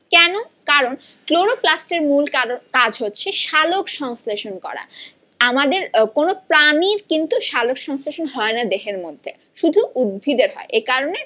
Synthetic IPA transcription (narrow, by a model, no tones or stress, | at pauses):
kɛno | kaɾon | kloɾoplasʈeɾmulakad͡ʑʱɦotːɕʰeʃalokʃɔŋsleʃonkɔ̰ɾa̰ | amad̪eɾkonopɾaniɾkint̪uʃalokʃɔŋsleʃonɦɔenad̪eɦeɾmod̪ʱːḛ | ʃud̪ʱuud̪̚bʱid̪eɾɦɔ̰eʔekaɾone